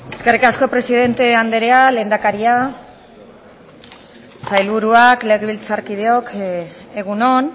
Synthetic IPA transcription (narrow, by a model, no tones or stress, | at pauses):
e̞ske̞rikasko̞pɾe̞siðe̞nt̪e̞and̪e̞ɾeale̞ːnd̪akaɾia | sajlβuɾuakle̞ɣeβilt͡saɾkið̞e̞o̞kʰ | eɣ̞uno̞n